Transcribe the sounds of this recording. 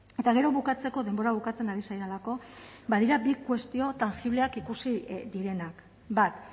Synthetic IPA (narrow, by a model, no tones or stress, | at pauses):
e̞t̪aɣe̞ɾo̞βukat͡se̞ko̞ðe̞mbo̞ɾaβ̞ukat͡se̞naɾisajɾalako̞bað̞iɾabikwe̞st̪io̞t̪aŋxiβle̞akikusid̪iɾe̞nak | bat̪